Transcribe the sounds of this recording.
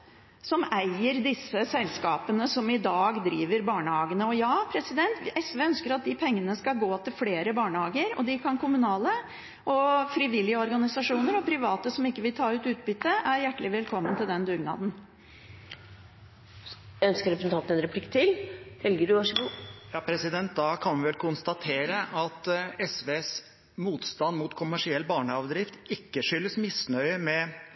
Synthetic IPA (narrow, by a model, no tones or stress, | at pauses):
sɔmæɪəɾd̪ɪsːəsɛlskɑːpənəsɔmɪd̪ɑːɡd̪ɾiːʋəɾbɑːɳəhɑːɡənəɔjɑːpʰɾɛsɪd̪ɛnt̪ʔɛsʋeːœnskəɾɑt̪̚d̪ɪpʰɛŋːənəskɑlɡoːt̪ʰɪlfleːɾəbɑːɳəhɑːɡəɾɔ̰d̪ɪkʰɑnkʰʊmʉnɑːlə | ʔɔfɾɪʋɪlːɪəɔɾɡɑnɪsɑʂuːnəɾɔpʰɾɪʋɑːt̪əsɔmɪkːəʋɪlt̪ʰɑːʉːt̪ʉːt̪̚bʏt̪ːəʔæɾjæʈːəlɪʋɛlkʰɔmːənt̪ʰɪld̪ɛnd̪ʉːɡnɑ̰ːd̪n̩ | œnskəɾɛpɾəsn̩ɑnt̪əɛnɾɛplɪkːt̪ʰɪlhɛlɡəɖʉʋɑʂəɡuːjɑːpʰɾɛsɪd̪ɛnt̪̚d̪ɑkʰɑnʋɪʋɛlkʰʊnst̪ɑt̪ʰeːɾəʔɑt̪ɛsʋes | muːt̪st̪ɑnd̪muːt̪kʰʊmæʂɪɛlːbɑːɳəɑʋd̪ɾɪft̪ɪkːəʂʏlːəsmɪsnœʏəmɛ